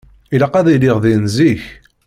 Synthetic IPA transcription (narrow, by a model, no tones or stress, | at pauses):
iləqæðiliʁðinziç